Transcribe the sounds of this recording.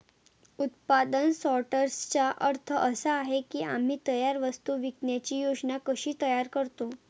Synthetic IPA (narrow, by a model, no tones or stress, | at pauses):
ut̪̚pad̪ənsɔʈəɾst͡ɕaʔəɾt̪ʰəʔəsəːɦekiːam̤iːt̪əjaɾʋəst̪uʋiknjat͡ɕiːjod͡ʑnakəɕiːt̪əjaɾkəɾt̪o